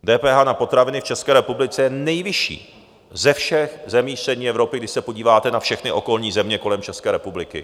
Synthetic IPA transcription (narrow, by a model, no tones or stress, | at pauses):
dɛːpɛːɦaːnapo̞t̪ɾavɪnɪft͡ʃɛskɛːɾɛpublɪt͡sɛjɛnɛjvɪʃḭː | zɛfʃɛxzɛmiːfst̪r̥ɛdɲiːɛvɾo̞pɪɡdɪʃsɛpo̞ɟiːvaːt̪ɛnafʃɛxnɪʔo̞ko̞lɲiːzɛmɲɛko̞lɛmt͡ʃɛskɛːɾɛpublɪkɪ̰